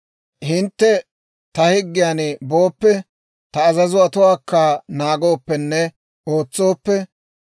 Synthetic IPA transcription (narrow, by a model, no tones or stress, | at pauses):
hɪnt̪ːɛ | t̪ɐhɪɡːɪjaːnboːpːɛ | t̪ɐːzɐzʊɐt̪ʊwaːkːanaːɡo̞ːpːɛnːɛ | o̞ːt͡sːo̞ːpːɛ